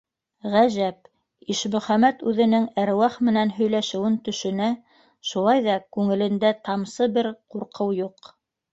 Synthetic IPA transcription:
ʁæʒæp̚ | iʃmɵ̆χæmæt̪ʉðɘ̆nɘŋæɾwæχmɘ̆nænɦɵ̆jlæʃɘ̆wɘnt̪ɵ̆ʃɵ̆næ | ʃulˠɑjðɑkʉŋɘ̆lɘ̆nd̪æt̪ɑmsɤbɘɾquɾqʰɤwjuq

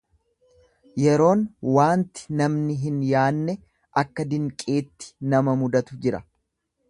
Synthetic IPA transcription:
jɛɾo̞ːnwaːnt̪ɪ̥nɐmnɪɦɪnjaːnːɛ | ʔɐkːɐd̪ɪŋkʼe̞ːt̪ːɪ̥nɐmɐmʊd̪ɐt̪ʊd͡ʒɪɾɐ̰

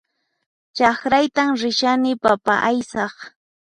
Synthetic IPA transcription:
t͡ʃɑkɾajt̪amɾɪʃanɪpapaʔajsɑχ

